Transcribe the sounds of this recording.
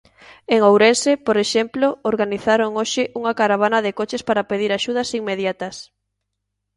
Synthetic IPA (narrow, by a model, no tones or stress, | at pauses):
eŋowɾensepoɾeʃemplooɾɣaniθaɾoŋoʃɪʔuŋakaɾaβ̞anɐðɪkot͡ʃɪspaɾapeðiɾaʃuð̞ɐsiŋmeðjat̪ɐs